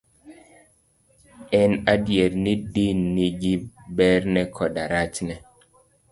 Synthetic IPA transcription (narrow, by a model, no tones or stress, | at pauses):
ɛnadjeɾnidinːiɡibɛɾnɛkʰɔɗaɾat͡ʃnɛ